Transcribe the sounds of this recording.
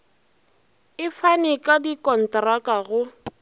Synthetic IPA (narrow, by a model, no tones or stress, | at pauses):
ɪfanɪkʼadikʼɔn̩trakʼaɣʊ